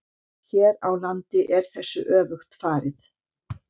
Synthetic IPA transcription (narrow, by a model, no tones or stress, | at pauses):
çɛːɾawlant̪ɪʔɛɾ̥θɛsːʏ̰ʔœːvʏxt̪faːɾɪθ